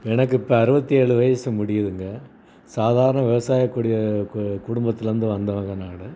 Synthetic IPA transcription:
ɛnɐk̬ːɪpːɐɐɾɯbɐt̪ːieːɭɯʋɐjɐsɯmʊɽɪjɐðɯŋɡɐ | saːðaːɾɐɳɐʋɪʋɐsaːjɐkːuːɽɪjɐkʊɽʊmbɐt̪ːɪlɾɯnd̪ɯʋɐnd̪ɐʋɐŋɡɐnaːɽɯ

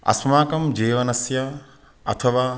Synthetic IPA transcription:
ɐ̰smaːkɐmd͡ʒeːʋɐnɐsjɐ | ɐ̰t̪ʰɐʋa

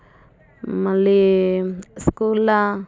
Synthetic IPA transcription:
mɐlːi | skuːla

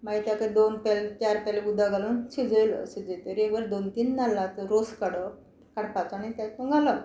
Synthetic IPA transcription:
mait̪jak̪əd̪onpɛlt͡ɕaɾpɛleud̪ʱaɡalənt͡ɕid͡zəjlə̰sid͡zet̪əɾieʋəld̪ont̪iːnːalːat͡s̪əɾoskəɽə | kaɽpat͡sanat̪aməŋɡalə

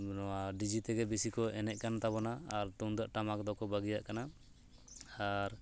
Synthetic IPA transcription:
nɔwaɖid͡ʒit̪ɛɡɛbisikɔɛnɛʔ̚kanat̪abɔnaːɾt̪uŋd̪aʔʈamakd̪ɔkɔbaɡijaʔkana | aɾ

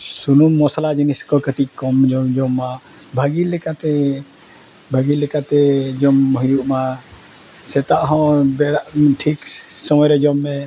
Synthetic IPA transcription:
sunumːɔsalad͡ʒiniskɔkəʈic̚kɔmd͡ʒɔd͡ʒɔmːa | bʱaɡilɛkat̪ɛ | bʱaɡilɛkat̪ɛd͡ʒɔmɦɔjuʔma | sɛt̪aʔɦɔ̃bɛɽaʔʈʰiksɔmɔjɾɛd͡ʒɔmːɛ

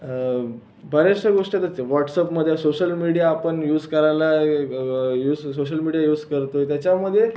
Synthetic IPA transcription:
bʱəɾeʂʈəɡoʂʈət̪at͡seʋɔʈsəpməd̪ʱːjasoɕəlmiɽijaːpəɳjuːd͡zkəɾajla | juːd͡zsoɕəlmiɽijajuːd͡zkəɾt̪ojt̪jat͡ɕaməd̪ʱːje

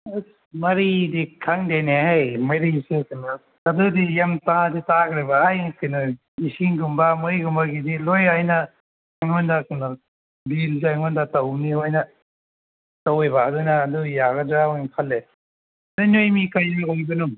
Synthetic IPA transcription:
mɐɾidikʰaŋdeneɦajmajɾisekɯna | adudijamtaditakʰɾebaajkɯna | isiŋɡumbamojɡumbaɡidilojajna | ajŋɔndakɯna | bilzajŋɔndatawnihojna | tawejbaːdunaːdujaɡɐdɾawŋkʰalːe | dɯnojmikajaɦojbɯnu

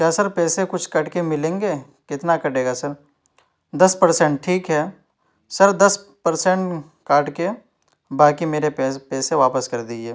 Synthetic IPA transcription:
kʲjaːsəɾpɛːsekʊt͡ʃʰkɐʈkemɪlẽːŋɡeː | kɪt̪nakɐʈeːɡasɐɾ | d̪ɐspɐɾsɛ̃ːɳʈ̚ʈʰiːkɦɛː | sɐɾd̪ɐs | pɐɾsẽɳʈ | kaːɾʈke | baːkimeːɾepːpɛːseʋaːpəskɐɾd̪id͡ʒeː

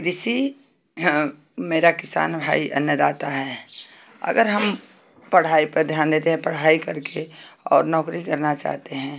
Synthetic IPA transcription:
ɾɪsi | meːɾakɪsa̰ːnbʱa̰ːiʔɐ̰njəd̪aːt̪aɦɛː | ɐ̰ɡəɾɦəm | pɐɽ̤aːipɐɾd̪ʱjaːnd̪eːt̪eɦɛ̃pəɽ̤aːikɐɾkeɔ̰ːɾnɔːkɾikəɾnat͡ʃa̰ːɦt̪eɦɛ̃ː

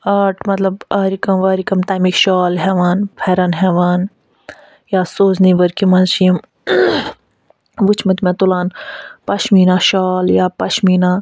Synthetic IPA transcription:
aːʈʰmɐt̪lɐbaːɾikɐmʋaːɾikɐmt̪amikʃaːlɦɛːʋaːnpʰɛːɾɐnɦɛːʋaːn | jaːsoːzniʋɐɾkimɐnʃim | ʋut͡ʃʰmɐt̪mẽt̪ulaːnpɐʃmiːnaːʃaːljaːpɐʃmiːnaː

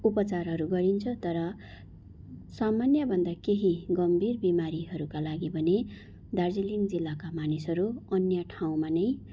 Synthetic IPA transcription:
upʌt͡sarɦʌɾuɡʌɾint͡sʰʌt̪ʌɾʌ | samanjʌbʱʌnd̪akeɦiɡʌmbʱirbimaɾiɦʌɾukalaɡibʱʌne | d̪ard͡zilind͡zilːakamanisɦʌɾuʌnjʌʈʰaw̃manʌj

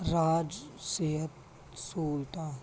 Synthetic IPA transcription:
ɾaːd͡ʒseɦət̪ | suːlt̪a

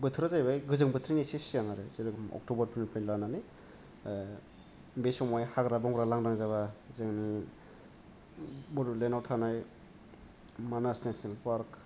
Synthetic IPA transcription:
bɯtʰɾazajbajɡɯzɯŋbɯtʰɾinisesijaŋaɾɯsiɾɯkmɔ̰k̚tobɐɾpʰɯnpʰɯnlanani | besɔmajhaɡɾabɔŋɾalaŋdaŋzaβazɯŋni | buɾlenawtʰanaj | manasnesenlpaɾk

